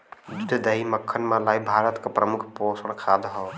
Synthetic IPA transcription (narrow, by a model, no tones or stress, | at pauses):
d͡ʒud̪d̪əɦiməkʰːənmãlaːibʱaːɾət̪kəpɾəmukʰposəɽ̃kʰad̪ɦɔ